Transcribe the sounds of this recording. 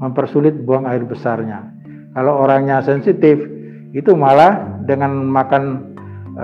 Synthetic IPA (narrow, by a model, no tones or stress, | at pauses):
məmpərsulɪt̪̚buaŋaɪrbəsarɲa | kalowoɾaŋɲasɛnsit̪ɪf | it̪umalahdəŋanmakan